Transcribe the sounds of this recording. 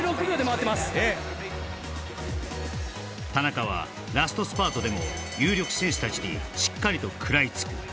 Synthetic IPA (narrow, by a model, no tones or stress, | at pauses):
ɾokɯɾʲod̪emaβat̪ːemasɨ̥e | t̪anakaβ̞a̰ | ɾasɨ̥t̪o̞sɨ̥paːt̪o̞d̪e̞mo̞̰jɨːɾʲjo̞kɯ̟̥sẽ̞ɰ̃ɕɨ̥t̪at͡ɕiɲḭɕi̥kːaɾʲit̪o̞kʰɯ̟ɾait͡sɨ̥kɯ̟